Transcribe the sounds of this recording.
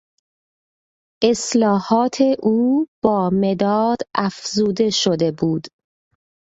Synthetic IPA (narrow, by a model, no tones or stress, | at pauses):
ʔe̞slɒːhɒːt̪ʰe̞ʔuːb̥ɒːme̞d̪ɒːd̪̥æfzuːd̪e̞ʃod̪e̞buːd̪̥